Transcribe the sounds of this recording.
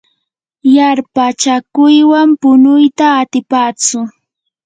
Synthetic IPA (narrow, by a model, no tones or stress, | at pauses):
jaɾpat͡ʃakʊjwampʊnʊjt̪aːt̪ɪpaːt͡sʊ